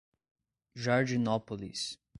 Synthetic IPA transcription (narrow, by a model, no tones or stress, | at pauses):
ʒaɾdinɔpolḭs